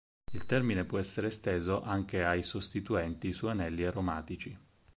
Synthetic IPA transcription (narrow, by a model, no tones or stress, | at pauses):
ilt̪ɛrminepwɔɛsːeɾest̪eːzoʔaŋk̟eajsost̪it̪uɛnt̪isuanɛlːiaɾomaːt̪it͡ʃi